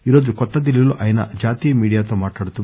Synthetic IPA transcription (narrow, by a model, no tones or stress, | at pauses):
iːɾoːd͡ʒukɔt̪ːɐd̪iliɐlːuʔɐjɐnɐ̰d͡ʒaːt̪iːjɐmiːɽijaːt̪omaːʈlaːɽut̪ːu